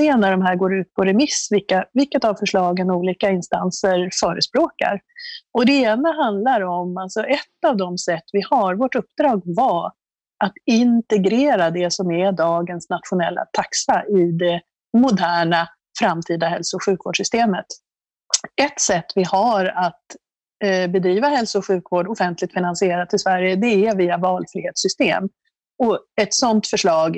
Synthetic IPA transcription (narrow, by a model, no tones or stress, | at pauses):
eːnæɖɔmɦæːɾɡoːɾʉ̟ːt̪̚pʰɔɾɛmɪsvɪkːavɪlkːət̪avfœʂɭɑːɡənuːliːkaɪnst̪a̰nsəɾfœːɾəspɾoːka̰ɾɔd̪ɛeːnaɦand̪laɾɔmalsɔʔɛt̪ːavd̪ɔmsɛt̪ːvɪhaɾvoːʈɵpːd̪ɾɑːɡva | ʔat̪ɪnt̪ɛɡɾeːɾad̪ɛsɔmɛd̪ɑːɡənsnat̪ɧʊnɛlːa̰t̪ʰaksaʔɪd̪ɛ | mʊd̪æːɳa | fɾamt̪ʰiːd̪aɦɛlsʊʊɧʉ̟ːkvo̰ːɖʂʏst̪eːmət̪ | ɛt̪sɛt̪ːvɪhaɾat̪ | bɛd̪ɾiːvahɛlsʊːɧʉ̟ːkvoːɖɔfɛnt̪lɪk̚t̪fɪnansɪeːɾat̪ːɪlsvæɾjəd̪ɛæviːavɑːlfɾɪheːt̪sʏst̪ḛːm | ɔɛt̪sɔnt̪fœʂɭɑːɡ